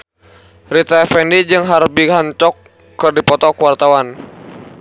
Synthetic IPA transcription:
rit̪aɛfɛndid͡ʒɨŋɦarbiɦaɲt͡ʃɔkː | ɨrdipɔt̪ɔkuwart̪awan

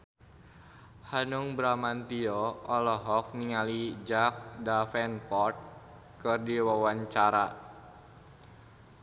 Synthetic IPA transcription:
hanuŋbɾamant̪iɔɔlɔɦɔk̚niŋalid͡ʒak̚dafɛnpɔrt̪̚ | kɨrdiwawaɲt͡ʃaɾa

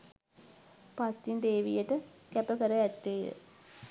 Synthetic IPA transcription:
pat̪ːind̪eːʋijəʈəkɛpəkəɾəɛt̪ːejə̰

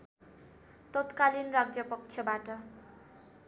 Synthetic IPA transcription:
t̪ʌt̪kalinraɡd͡zjʌpʌk̚t͡sʰʌbaʈʌ

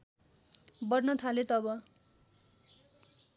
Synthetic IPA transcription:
bʌrnʌt̪ʰalet̪ʌβʌ

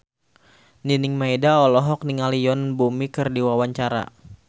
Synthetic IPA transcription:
ninɪŋmaidaɔlɔɦɔk̚niŋalijɔnbumikɨrdiwawaɲt͡ʃaɾa̰

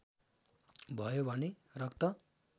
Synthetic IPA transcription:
bʱʌjobʱʌnerʌkt̪ʌ

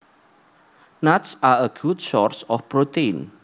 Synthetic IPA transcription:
natsaəɡutsɔɹsɔfpɾot̪en

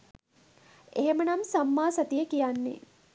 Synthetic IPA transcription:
eɦemənamsamːaːsɐt̪ijəkijanːḛ

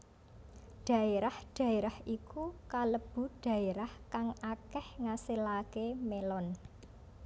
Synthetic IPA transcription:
ɖ̥ä̤eɾahɖ̥a̤eɾahʔikukaləb̥ṳɖ̥ä̤eɾahkaŋakɛhŋasilakemelɔn

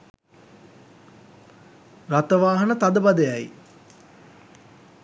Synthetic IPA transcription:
rat̪əʋaːɦənət̪ad̪əbad̪əjaj

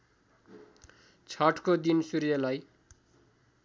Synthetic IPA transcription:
t͡sʰʌʈkod̪insuɾjʌlaj

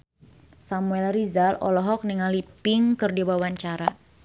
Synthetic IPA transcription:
samuɛlrizalɔ̰lɔɦɔk̚niŋalipɪŋkɨrdiwawaɲt͡ʃaɾa

